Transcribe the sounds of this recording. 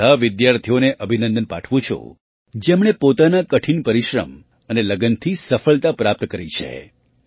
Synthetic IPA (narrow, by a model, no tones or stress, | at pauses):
aʋɪd̪jaɾt̪ʰijoneʔəbʱinənd̪ənpa̰ʈʰʋũt͡ʃʰṵ̃ | d͡ʒemɽ̃epot̪anakəʈʰinpəɾiʃɾə̰m | əneləɡənt̪ʰisəfəɭt̪apɾap̚t̪kəɾit͡ʃʰḛ